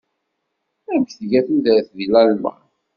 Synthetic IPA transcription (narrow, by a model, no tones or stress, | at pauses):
æmçθʝæθund̪æθðilælmə̰ʁ